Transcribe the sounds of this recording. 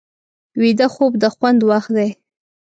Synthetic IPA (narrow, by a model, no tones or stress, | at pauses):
wid̪əxob̚d̪əxwand̪waxd̪aj